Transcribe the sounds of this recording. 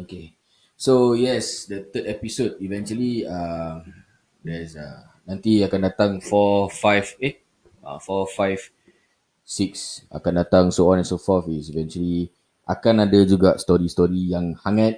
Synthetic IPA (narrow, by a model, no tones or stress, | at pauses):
oke | sojɛsdət̪ədɛpisod̚ivɛ̃nt͡ʃuəliam | dɛsa̰ | nãnt̪iakãndat̪ãŋfɔfajve | a̰fɔfajv | siksʔa̰kandat̪ãŋsoɔ̃nɛ̃nsofɔfisivɛ̃nt͡ʃuəli | ʔa̰kanadəd͡ʒuɡast̪ɔɹist̪ɔɹijãŋhaŋat̪̚